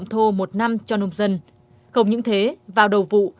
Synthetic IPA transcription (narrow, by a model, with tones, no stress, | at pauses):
wŋ͡mt̪ʰo˧mo˨˩t̚na˧mt͡ɕɔ˧no˧ŋ͡mzə˧n | xə˧wŋ͡mɲɨ̰˧˥ŋt̪ʰe˨˦vaː˨˩wɗə˨˩wvṵ˧˨